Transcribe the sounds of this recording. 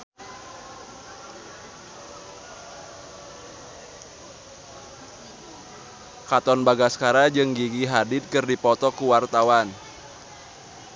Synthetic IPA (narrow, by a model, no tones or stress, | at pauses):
kat̪ɔnbaɡaskaɾad͡ʒɨŋɡiɡiɦadɪt̪̚kɨrdipɔt̪ɔkuwart̪awan